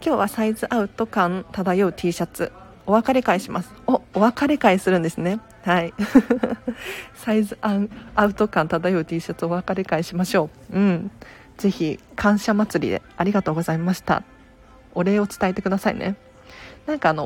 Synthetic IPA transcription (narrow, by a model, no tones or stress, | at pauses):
kʲo̞ːβasaizɨʔaɯ̟t̪o̞kãnt̪ad̪ajo̞ɯ̟t̪ʰʲiːɕat͡sɨ | o̞βakaɾe̞kaiɕimasɨ̥ooβakaɾe̞kaisɨɾɯ̟̃nd̪e̞sɨne̞ | hai | saizɨãɴaɯ̟t̪o̞kãnt̪ad̪ajo̞ɯ̟t̪ʲiːɕat͡sɨo̞βakaɾe̞kaiɕimaɕo̞ː | ɯ̟̃ɴ | d͡ze̞çikʰãɰ̃ɕamat͡sɨɾʲḭd̪e̞̰aɾʲiɡat̪o̞ːɡo̞zaimaɕi̥t̪a̰ | o̞ɾe̞ːo̞t͡sɨ̥t̪aet̪e̞kɯ̟d̪asaḭnʔe̞̰ | nãŋkaːno̞